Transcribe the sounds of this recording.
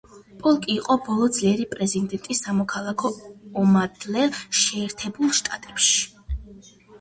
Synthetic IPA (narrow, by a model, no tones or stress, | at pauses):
pʼɔlˠkʼiːqʼɔbɔlˠɔd̪zliɛɾipʼɾɛzind̪ɛnt̪ʼisːamɔkʰalˠakʰɔːmad̪̥ʰlɛʃɛːɾt̪ʰɛbulˠʃt̪ʼa̰t̪ʼɛpʃi̥